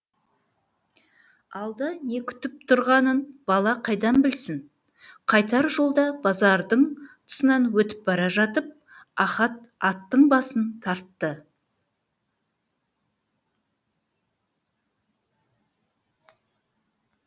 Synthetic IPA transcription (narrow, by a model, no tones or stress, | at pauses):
ɑlˠd̪ɑne̞kʲʰʏ̥t̪ɪp̚t̪ʰʊɾʁɑnənb̥ɑlˠɑqʰɑjd̪ɑnbɪlsɪŋ | qʰɑjt̪ɑɾʒo̞lˠd̪ɑbɑzɑɾd̪əɴt̪ʰʊ̥sənɑnwɵt̪ɪ̥p̚bɑɾɑʒɑt̪əp̚ | ɑχɑt̪̚ɑt̪ːəɴbɑsənt̪ʰɑɾt̪ːə